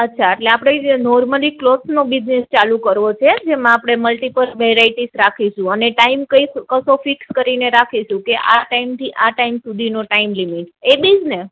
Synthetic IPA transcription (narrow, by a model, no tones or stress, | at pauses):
ətːʃʰaeʈleapɽ̃enɔɾməliklosnobid͡ʒnest͡ʃalũkəɾʋot͡ʃʰed͡ʒemãapɽ̃eməlʈipəlʋeɾaiʈisɾakʰiʃũəneʈaimkəikkəsofikskəɾineɾakʰiʃũkeʔa̰ʈaimt̪ʰiʔaʈaimsud̪ʱinoʈaimlimiʈebid͡ʒne